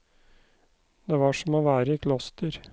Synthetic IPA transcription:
d̪eːʋɑːʂɔmoːʋæːɾəiːkʰlɔst̪əɾ

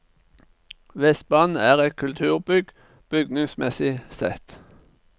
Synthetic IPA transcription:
ʋɛst̪̚bɑnæːʁɛt̪̚kʰʉlt̪ʰʉːʁbʏɡ | b̥ʏɡnɪŋsmɛsɪsɛ̰t̪

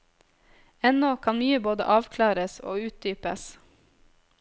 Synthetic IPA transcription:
ɛnɔkʰɑnmyːəboːd̪ə̰ʔɑːʋkʰlɑːɾəso̰ːʉːt̪̚d̪yːpə̰s

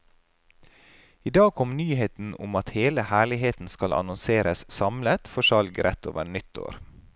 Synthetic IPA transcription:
iːd̪ɑːɡkʰɔmnyːheːt̪n̩ʊ̰mɑt̪heːləhæːɭɪɦeːt̪n̩skɑlʔɑ̰nɔnseːɾəssɑmlət̪fɔʃɑlɡɾʔɛt̪ʰo̰ːʋə̰ɾnʏt̪ʰːo̰ːɾ

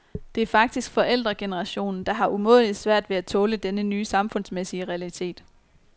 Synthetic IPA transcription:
d̥e̝æɐfɑ̈ɡ̥̚d̥isɡ̥fɒ̽ʔel̰d̥ʁɐɡ̥e̝nəʁɑ̈ɕo̝̰ːnn̩d̥ɑ̈ɦɑ̈ʔumɔ̝̰ð̰ˠlˠid̥sʋæɐ̰d̥ʋe̝æt͡sʰɔ̽ːləd̥enənyːsɑ̈mfɔ̽n̰smesiəʁɛælit͡sʰe̝̰ːd̥

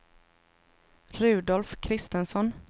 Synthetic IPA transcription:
ɾʉ̟ːd̪ɔlfkʰɾɪst̪ənsɔn

